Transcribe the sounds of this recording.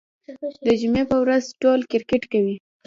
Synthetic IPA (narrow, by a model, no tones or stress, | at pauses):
d̪əd͡ʒumepəwɾazʈolkɪɾkɪʈkawi